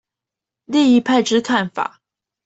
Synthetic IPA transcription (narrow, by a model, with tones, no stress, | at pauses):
li˥˧ŋi˧˥pʰa˥˧ɪʈ͡ʂɻ̩˥kʰa˥˩nfa̰˨˩˦